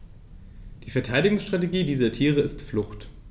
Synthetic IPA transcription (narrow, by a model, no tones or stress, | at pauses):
d̥iːfɛɐtʰaɪdɪɡʊŋsʃtʁ̥ateɡiːdiːzɐtʰiːʁ̞əɪstflʊxt